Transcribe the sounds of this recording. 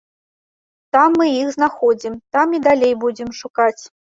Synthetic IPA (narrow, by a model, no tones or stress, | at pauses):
t̪amːɨixznaxɔd͡zʲimt̪amid̪alʲejbud͡zʲɪmʂukat͡sʲ